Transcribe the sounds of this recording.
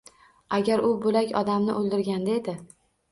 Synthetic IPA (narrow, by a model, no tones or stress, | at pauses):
aɡʲaɾʊbʊlakʲɒd̪amnɪʔolˠd̪ɪɾɡʲand̪aed̪ɪ